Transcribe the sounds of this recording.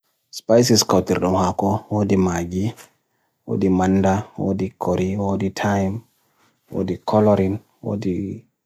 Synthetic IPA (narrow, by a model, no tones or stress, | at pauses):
spajsiskawtḭɾɗɔmhakɔwoːdimaɡi | wo̰ːdimandawo̰ːdikʰoɾiwoditʰajm | wo̰ːdikʰɔlɔɾin | wo̰ːdi